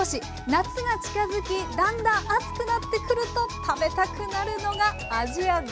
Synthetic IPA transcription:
oɕi | nat͡sɨɡat͡ɕi̥kazɨkʲid̪ãnd̪ãat͡sɨ̥kɯ̟nat̪ːe̞kɯ̟ɾɯ̟t̪o̞t̪ʰabe̞t̪akɯ̟naɾɯ̟no̞ɡaː | ʑia

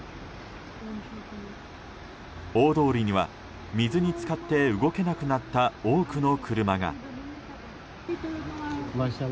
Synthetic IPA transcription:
o̞ːd̪o̞ːɾʲiɲ̟iβa̰ | mʲizɨɲ̟it͡sɨ̥kat̪ːe̞ɯ̟ɡo̞ke̞nakɯ̟nat̪ːaoːkɯno̞kɯ̟ɾɯ̟maɡa̰

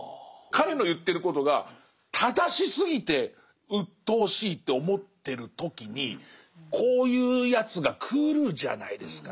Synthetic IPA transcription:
kaɾe̞no̞jɯ̟t̪ːe̞ɾɯ̟ko̞t̪o̞ɡa | t̪ʰad̪aɕisɨɡʲit̪e̞ | ɯ̟t̪ːo̞ːɕiːt̪ːe̞o̞mo̞t̪ːe̞ɾɯ̟t̪o̞kʲiɲ̟i | kʰo̞ːjɯːjat͡sɨɡakʰɯːɾɯ̟ʑa̰na̰id̪e̞sɨ̥ka

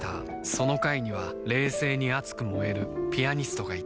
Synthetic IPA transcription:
t̪a̰ | so̞no̞kaiɲ̟iβ̞a | ɾe̞ːse̞ːɲ̟iat͡sɨ̥kɯ̟mo̞e̞ɾɯ̟pʲiaɲ̟isɨ̥t̪o̞ɡai

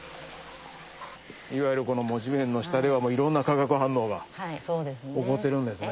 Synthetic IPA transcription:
iβajɯɾɯ̟ko̞no̞mo̞ʑibẽnːo̞ɕi̥t̪ad̪e̞βamoːiɾõ̞nːakaɡakɯɦãnːo̞ːɡaod̪esoko̞t̪ːe̞ɾɯ̟̃nd̪e̞sɨne

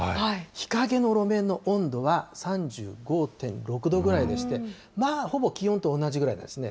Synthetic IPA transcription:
aaiçi̥kaɡe̞no̞ɾo̞mẽ̞nːo̞ʔõ̞nd̪o̞βasãɲd͡ʑɨ̰ːɡo̞ːt̪ẽ̞nɾo̞kɯ̟d̪o̞ɡɯ̟ɾaid̪e̞ɕi̥t̪e̞ | maːho̞bo̞kʲiõ̞nt̪o̞ːnːaʑiɡɯɾaina̰nd̪esɨne

